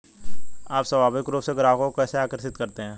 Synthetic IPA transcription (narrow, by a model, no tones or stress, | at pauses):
aːpsəʋaːbɪkːɾoːpseɡəɾaːkõokɛːseaːkəɾsɪt̪kəɾt̪eɦɛ̃ː